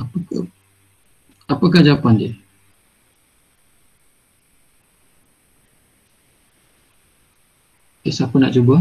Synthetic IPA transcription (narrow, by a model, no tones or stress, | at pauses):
apaka | apakahd͡ʒapandiə | esakəna̰ʔt͡ʃuba